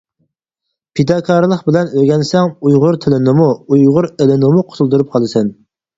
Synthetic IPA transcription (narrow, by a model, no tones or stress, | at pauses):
pʰid̪ɑːkʰɑːɾlˠəχbɪlɛnøɡʲɛnsɛŋujʁʊɾt̪ʰɪlɪnɨmuujʁʊɾelɪnɨmuqʰʊ̥t̪ʰulˠd̪uɾup̚qʰɑlˠɨsɛn